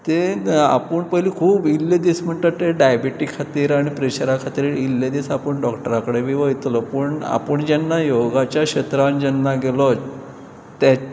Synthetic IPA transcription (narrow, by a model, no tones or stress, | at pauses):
t̪ea̰pəɳpəɦiliːkʰuːbilːed̪ism̤əɳʈ̪ət̪eɖajbiʈikʰːat̪iːɾaɽ̃ipɾeɕəɾakʰat̪iɾilːed̪isapəɳɖɔkʈəɾakəɽeʋiʋəit̪lɔpəɳa̰pəɳd͡ʑɛnːajoɡat͡ɕjaɕet̪ɾand͡ʑɛnːaɡelɔ | t̪a